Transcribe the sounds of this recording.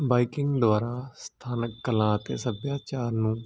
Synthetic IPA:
baːikɪ̃ŋɡd̪ʊʋaːɾaːst̪ʰaːnəkːəlãːət̪ḛːsəbjaːt͡ʃaːɾnũː

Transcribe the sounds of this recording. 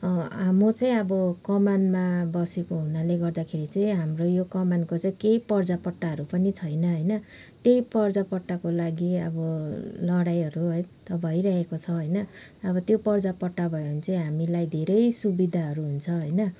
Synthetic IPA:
ɦamot͡sʌĩʌbʌkʌmanmabʌsekoɦunaleɡʌrd̪akʰeɾit͡sʌĩɦamrojokʌmankot͡sʌĩkejpʌrd͡zapʌʈːaɦʌɾupʌnit͡sʰʌjnʌɦʌjnʌ | t̪ejpʌrd͡zapʌʈːakolaɡiʌ̰bʌlʌɽajʌɾuɦʌjt̪ʌbʱʌjɾaɦekot͡sʰʌɦʌjnʌː | bʌt̪jopʌrd͡zapʌʈːabʱʌent͡sʌĩɦamilajd̪ʱeɾʌjsubid̪ʱaɦʌɾuɦunt͡sʰʌɦʌjnʌ

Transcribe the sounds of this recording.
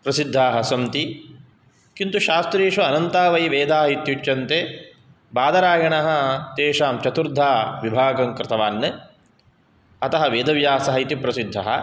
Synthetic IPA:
pɾɐsid̪ʱːaːɦɐsɐmt̪i | kint̪uʃaːst̪ɾeːʃʋɐːnɐnt̪aːʋɐjʋeːd̪ʱaːɦɐit̪jut͡ʃjɐnt̪eː | baːd̪ɐɾaːɡɐɳɐɦɐ̆t̪eːʃaːmt͡ʃɐt̪uɾd̪ʱːaːʋibʱaːɡɐmkɾɪt̪ɐʋaːnːɨ | ɐt̪ɐɦɐʋeːd̪ʱɐʋjaːsɐɦɐjit̪ipɾɐsid̪ʱːɐɦɐ̰

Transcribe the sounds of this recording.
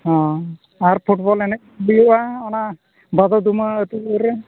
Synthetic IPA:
ɦɔ̃ | aɾpʰuʈbɔlɛnɛk̚bijɔʔaɔna | bad̪ɔd̪umaːt̪uəɾɛ

